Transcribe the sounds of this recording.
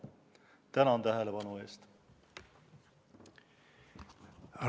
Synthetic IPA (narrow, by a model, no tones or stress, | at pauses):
t̪ænɑnt̪æɦelepɑnue̞̰ːst̪